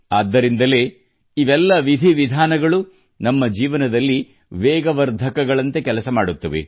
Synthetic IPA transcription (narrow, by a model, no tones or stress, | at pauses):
aːd̪ːɐɾind̪ɐle̞ː | iʋɛlːɐʋid̪ʱiʋid̪ʱaːnɐɡɐɭu | nɐmːɐd͡ʒiːʋɐnɐd̪ɐlːi | ʋɛːɡɐʋɐɾd̪ʱɐkɐɡɐɭɐnt̪e̞kɛlɐsɐmaːɽut̪ːɐʋḛ